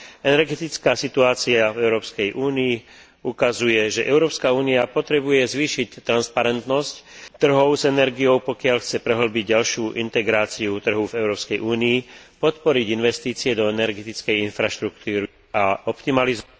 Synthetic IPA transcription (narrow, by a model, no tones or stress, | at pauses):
ɛnɛɾɡɛt̪it͡skaːsit̪uaːt͡siavɛʊɾɔːpskɛjʔuːnii | ukazujɛʒɛʔɛʊɾɔːpskauːniapɔt̪ɾɛbujɛzʋiːʃict̪ːɾanspaɾɛnt̪nɔsct̪ːr̩ɦɔʊzɛnɛɾɡijɔʊpɔkɪaʎxt͡sɛpɾɛɦl̩biɟɟalʃɪuʔint̪ɛɡɾaːt͡siut̪r̩ɦuvɛʊɾɔːpskɛjʔuːniːpɔt̪pɔɾiɟinʋɛst̪iːt͡siɛd̪ɔɛnɛɾɡɛt̪it͡skɛjinfɾaʃt̪ɾuk̚t̪uːɾi | aɔpt̪imaliz